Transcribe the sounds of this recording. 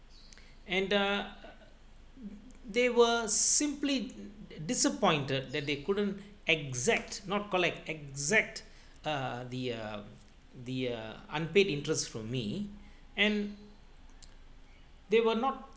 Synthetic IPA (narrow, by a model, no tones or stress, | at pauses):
ɛ̃n | d̪ewəsĩmplidisəpɔ̃ɪ̃ntəd̚d̪ɛt̚d̪ekʊdə̃nt | ɛɡzɛk̚tnɔt̚kɔlɛk̚tɛɡzɛk̚t | d̪i | d̪iã̰npedĩntɹəstfɹɔ̃mːḭ | ɛ̃n | d̪ewənɔt̚